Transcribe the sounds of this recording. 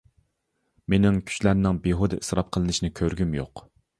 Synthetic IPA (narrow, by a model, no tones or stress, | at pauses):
menɪŋkʲʰy̥t͡ʃlæɾnɪŋbeɦod̪ɨʔɨsɾɑp̚qʰəlˠɨnɨʃinɪkʲʰøɾɡʲymjo̰q